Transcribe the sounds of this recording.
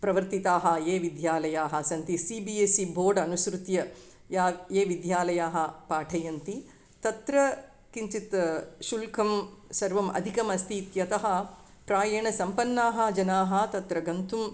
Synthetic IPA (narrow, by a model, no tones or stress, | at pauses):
pɾɐʋɐɾt̪it̪aːɦɐ̆eːʋid̪jaːlɐjaːɦɐ̆sɐnt̪isibieːsibʱoːɖɐnusɾut̪jɐ | jaːjeːʋid̪jaːlɐjaːɦɐ̆paːʈʰɐjɐnt̪i | t̪ɐt̪ɾɐ | kiɲt͡ʃit̪ʃulkʰɐmsɐɾʋɐmʔɐ̰d̪ʱikɐmɐst̪ʰiːt̪jɐt̪ɐɦɐ̆ | pɾaːjɐɳɐsɐmpɐnːaːɦɐ̆d͡ʒɐnaːɦɐ̆t̪ɐt̪ɾɐɡɐnt̪um